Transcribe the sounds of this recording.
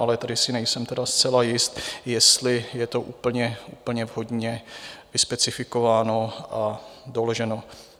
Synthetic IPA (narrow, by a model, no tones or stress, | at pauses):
ʔalɛt̪adɪsɪnɛjsɛmt̪ɛdast͡sɛlajɪst̪jɛst̪lɪjɛt̪o̞ʔuːpl̩ɲɛuːpl̩ɲɛvɦo̞dɲɛvɪspɛt͡sɪfɪko̞vaːno̞ʔadoloʒɛno̞